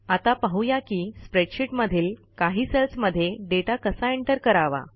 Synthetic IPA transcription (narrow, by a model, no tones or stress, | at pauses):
at̪apəɦujakiːspɾeɖɕiʈməd̪ʱːiːlkaɦiːselt͡sməd̪ʱːjeɖeʈakəsaeɳʈəɾkəɾaʋa̰